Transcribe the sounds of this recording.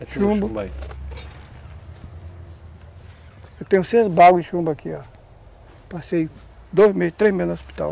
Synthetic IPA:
ʃũbɐɐ | ewt̪ẽj̃ʊsezbaɡʊɪʃũmbɐkʰia | pasej | d̪ojzmezɪst̪ɾezmeznɐospi̥t̪a̰w

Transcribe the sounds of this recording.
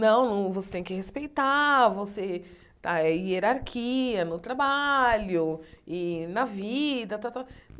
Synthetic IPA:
nɐ̃w̃nɐ̃w̃vose̥t̪ẽj̃kɪhespejt̪avose | t̪aɛieɾaɾkʰiɐnʊt̪ɾabaʎʊɪnɐvid̪ɐt̪at̪a

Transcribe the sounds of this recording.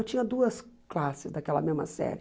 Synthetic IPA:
wt͡ʃĩɲɐd̪uɐsklasɪzd̪akɛlɐ̰mezmɐ̰sɛ̰ɾɪ

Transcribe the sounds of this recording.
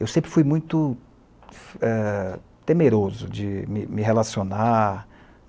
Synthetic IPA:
ewsẽmpɾɪfujmũj̃t̪ʊ | ɛ | t̪emeɾozʊd͡ʒɪmɪmɪɦelasiona

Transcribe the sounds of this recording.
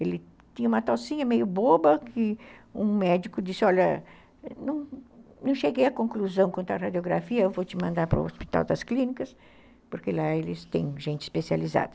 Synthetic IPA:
elɪ | t̪ĩɲɐũmɐt̪osĩɲɐmejʊbobɐkʰɪũmɛd͡ʒikʊd͡ʒisɪɔʎɐ | nɐ̃w̃nɐ̃w̃ʃeɡejɐkõŋkluzɐ̃w̃knt̪ʊɾɐɾad͡ʒioɡɾa̰fiɐewvot͡ʃɪmɐ̃nd̪aɾpɾʊ̰o̰spit̪a̰wd̪ɐsklĩnikɐs | poɾkelaelɪst̪ḛ̃j̃ʒẽnt͡ʃɪ̥spesializa̰d̪ɐ

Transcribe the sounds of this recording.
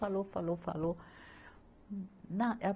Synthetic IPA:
alofa̰lofa̰lo | nãʔa

